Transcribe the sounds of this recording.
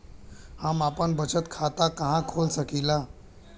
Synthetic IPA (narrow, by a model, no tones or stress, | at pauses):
hamapəɳbət͡ɕət̪kʰat̪akaɦãkʰolsəkila